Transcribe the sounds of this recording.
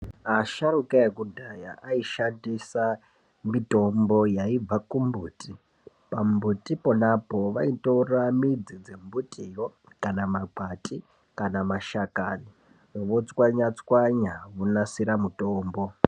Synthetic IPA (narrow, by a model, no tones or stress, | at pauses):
aʃaɾukaekudʱaja̰ʔaiʃandisa | mito̞mbo̞jaib͡vakumbuːtʰi | pambutʼiponapo̞ʋaitoramid͡zid͡zembutʼijo | kanamaɡ͡batʼi | kanamaʃakani | ʋot͡swaɲat͡swaɲaʋunasiɾamutoːmbo̞